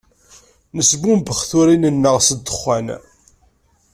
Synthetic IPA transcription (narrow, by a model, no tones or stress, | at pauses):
nəsbumbəχθʊɾinənːəʁsəd̪ːəχːæn